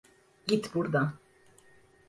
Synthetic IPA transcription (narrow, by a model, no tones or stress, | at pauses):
ɡit̪ʰbuɾd̪a